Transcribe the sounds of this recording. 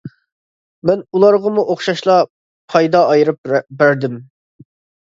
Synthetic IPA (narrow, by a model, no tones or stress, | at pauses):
mɛnulˠɑɾʁɑmuʔoχʃɑʃlˠɑ | pʰɑjd̪ɑːjɾɨp̚bæɾd̪ɪm